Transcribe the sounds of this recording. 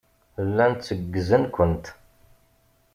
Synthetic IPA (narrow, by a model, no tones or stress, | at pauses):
lːænt̪t͡sːəɡːəzənkʷənt̪